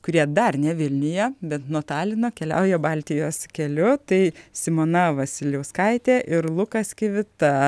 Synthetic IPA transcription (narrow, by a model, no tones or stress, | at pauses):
kʊɾʲiɛd̪ɐrnʲɛʋʲɪlʲnʲʊjɛbʲɛt̪nuɔt̪ɑːlʲɪnoːkʲɛlʲɛ̰ʊjɛbɐlʲt̪ʲɪjoːskʲɛlʲʊt̪ɐɪsʲɪmoːnɐʋɐsʲɪlʲɛʊskɐɪt̪ʲeːʔɪɾlˠʊkɐskʲɪʋʲɪt̪ɐ